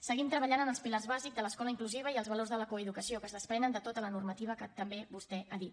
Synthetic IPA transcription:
səɣimt̪ɾəβəʎanənəlˠspilarzβazikzd̪ələskɔləiŋkluziβ̞əiəlˠzβəlorzðələkoəðukəsiokəzðəspɾɛnənd̪ət̪ot̪ələnurmət̪iβ̞əkət̪əmbeβust̪ɛʔaðit̪

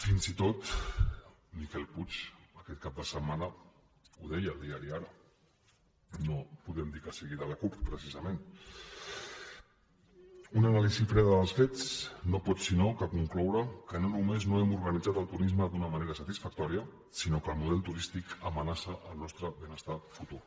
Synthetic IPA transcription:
finzit̪ot̪ | mikɛlˠput͡ʃəkɛt̪̚kap̚d̪əsəmanə | uðɛjəːlˠd̪iaɾiaɾə | nopuðɛmd̪ikəsiɣiɾələkuppɾəsizəmen | unənalizifɾɛðəðəlˠsfet͡snopɔsinokəkuŋklɔwɾəkənonumeznoɛmuɾɣənid͡zat̪əlˠt̪uɾizməðunəməneɾəsət̪isfək̚t̪ɔɾiə | sinokəlˠmuðɛlˠt̪uɾist̪ikəmənasəʔəlˠnɔst̪ɾəβenəst̪afut̪u

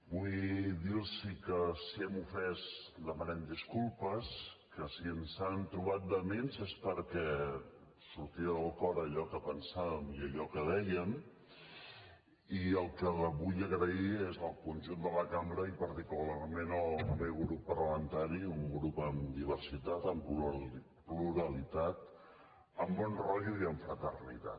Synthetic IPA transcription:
bujd̪iɾsikəsiɛmufɛsd̪əmənɛmd̪iskulˠpəskəsiənsant̪ɾuβat̪̚d̪əmenzespəɾkɛ | suɾt̪iəðəlˠkɔɾəʎɔkəpənsaβəmiəʎɔkəðɛjəm | iəlˠkəβuʎəɣɾəiezəlˠkunʲʒund̪ələkambɾəipəɾt̪ikulaɾmenəbeɣɾupːərləmənt̪aɾiuŋɡɾupəmd̪iβ̞əɾsit̪at̪əmp | pluɾəlit̪at̪ | əmbɔnrɔʎuiəɱfɾət̪ərnḭt̪a̰t

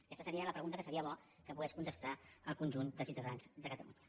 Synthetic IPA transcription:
kɛst̪əsəɾiələpɾəɣunt̪əkəsəɾiəβ̞ɔ | kəpuɣɛskunt̪əst̪aəlˠkunʲʒund̪əsiuwt̪əðanzd̪əkət̪əlṵɲə

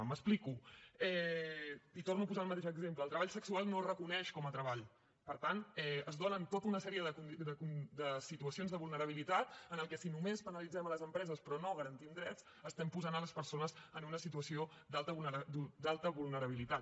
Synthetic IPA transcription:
məsplikuɛ | it̪ornuəpuzaəlˠmət̪eʃəɡzempləːlˠt̪ɾəβaʎsəksualˠnorəkunɛʃkɔmət̪ɾəβaʎ | pəɾt̪anɛəzðonənt̪ot̪əunəsɛɾiəðəkund̪əkund̪əsit̪uəsionzðəβulˠnəɾəβ̞ilit̪at̪ənəlˠkɛsinumespənəlid͡zɛmələzəmpɾɛzəspɾɔnoɣəɾənt̪imd̪ɾɛt̪t͡s | əst̪ɛmpuzanələspəɾsonəzənunəsit̪uəsio | d̪alˠt̪əβunəd̪ud̪alˠt̪əβulˠnəɾəβ̞ilit̪at̪̚

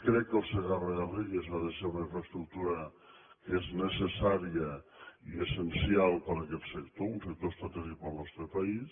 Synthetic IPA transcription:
kɾɛkːəlˠsəɣarəɣəriɣəzβaðəʃeunəiɱfɾəst̪ɾuk̚t̪uɾə | kəeznəsəsaɾiəiəsənsialˠpəɾəkɛt̪səkt̪ounsək̚t̪oest̪at̪ɛʒipəlˠnɔst̪ɾəpɐis

